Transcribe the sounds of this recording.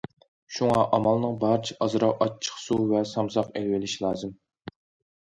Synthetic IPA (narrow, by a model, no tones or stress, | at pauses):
ʃuŋɑʔɑmɑlˠnɨŋbɑɾt͡ʃʰɛ̥ʔɑzɾɑwɑt͡ʃʰːə̥χsuvɛsɑmsɑqelwɪlɪʃlˠɑːzɨm